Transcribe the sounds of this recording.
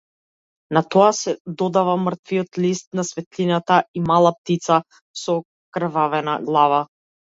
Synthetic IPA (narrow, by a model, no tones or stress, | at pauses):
nat̪ɔasɛd̪ɔd̪avamr̩t̪viɔt̪list̪̚nasvɛt̪linat̪aimalˠap̚t̪it̪sa | sɔ | kr̩vavɛnaɡlˠava